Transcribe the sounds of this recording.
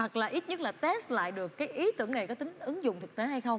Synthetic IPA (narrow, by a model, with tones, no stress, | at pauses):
a˨˩t̚laː˨˩ʔi˦˥t̚ɲə˦˥t̚laː˨˩t̪ɛ˦˥st̚la̰ː˧˨jɗɨ˨˩əkːaː˨˦jʔi˨˦t̪ɨ˧˩əŋna˨˩jkɔ˨˦t̪ï˨˦ŋ̟ʔɨ˨˦ŋzʊ̰˧˨ŋ͡mt̪ʰɨ˨˩k̚t̪e˨˦ɦa˧jxə˧wŋ͡m